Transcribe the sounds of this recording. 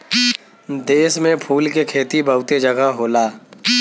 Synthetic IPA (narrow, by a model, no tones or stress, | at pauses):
d̪eːsmẽpʰuːlkekʰeːt̪ibəʊt̪ed͡ʒəɡəɦoːlaː